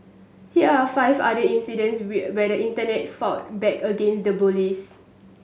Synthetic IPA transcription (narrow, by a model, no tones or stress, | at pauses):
hiəafaɪva̰dəĩnsidə̃nswɛdəĩntənɛt̚fɔt̚bɛkəɡẽnsdəbulis